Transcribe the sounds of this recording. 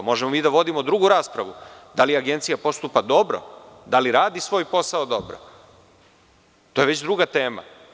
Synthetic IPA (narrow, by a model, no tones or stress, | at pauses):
mo̞ʒemomiːd̪aʋo̞d̪imod̪ɾuɡuɾaːspɾaʋud̪aliaɡe̞nt̪sijapo̞st̪upad̪o̞bɾo̰d̪aliɾaːd̪isʋo̞ːjpo̞saod̪o̞bɾo̰ | t̪o̞je̞ʋe̞t͡ɕd̪ɾuɡat̪eːma̰